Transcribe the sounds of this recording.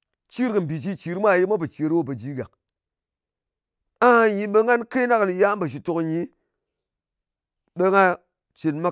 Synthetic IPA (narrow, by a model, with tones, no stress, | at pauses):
t͡ʃi˦ɾkɨ˨m̩˨bi˨t͡ʃi˧t͡ʃi˨ɾmʷ˦a˦˨ji˦mʷa˦p̬e˨t͡ʃi˨˦ɾwo˦˨p̬e˨d͡ʒi˦ɡa̰˨ | a˦a˧ɲi˧ɓe˧ŋa˦nke˦na˦kni˧ja˦m˦ba˨ʃ̬i˨to˨kɲi˨˦ | ɓe˧ŋa˦ | t͡ʃi˨nma˦